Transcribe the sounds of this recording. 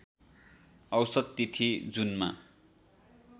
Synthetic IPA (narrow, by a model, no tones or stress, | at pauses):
ʌwsʌd̪̚t̪it̪ʰid͡zunma̰